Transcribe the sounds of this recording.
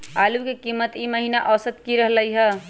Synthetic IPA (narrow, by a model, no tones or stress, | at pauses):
alukekimːət̪iməɦinaʔəsət̪kiɾəɦləjɦə